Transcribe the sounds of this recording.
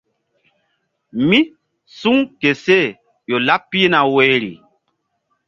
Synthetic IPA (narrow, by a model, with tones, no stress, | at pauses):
mi˦ | su˦ŋke˨se˦˨ | jo˨la˦pːi˦na˨we˦ɾḭ˨